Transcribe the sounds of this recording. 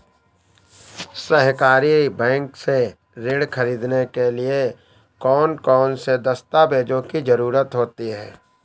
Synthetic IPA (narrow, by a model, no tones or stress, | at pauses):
sɛɦkaːɾibɛ̃ːŋkse | ɾeːɽkʰɐɾiːd̪nekelie | kɔːnkɔːnsed̪ɐst̪abeːd͡ʒõkid͡ʒɐɾuːɾət̪ɦoːt̪iɦɛː